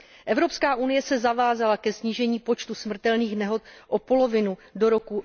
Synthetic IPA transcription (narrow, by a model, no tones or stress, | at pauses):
ʔɛvɾo̞pskaːʔunɪjɛsɛzavaːzalakɛsɲiːʒɛɲiːpo̞t͡ʃt̪usmr̩t̪ɛlniːxnɛɦo̞t̪ʔopo̞lo̞vɪnudo̞ɾo̞ku